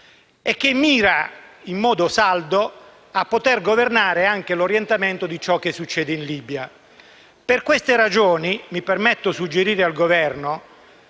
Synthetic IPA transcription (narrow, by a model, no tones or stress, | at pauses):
ek̟ːemːiːɾaimːɔːd̪osald̪o | apːot̪erɡovernaːɾeaŋk̟eloɾjɛnt̪ament̪od̪it͡ʃɔk̟ːesːut͡ʃːɛːd̪einliːbja | perkwest̪eɾad͡ʒoːnimipermet̪ːosud͡ʒːeɾiːɾealɡovɛrno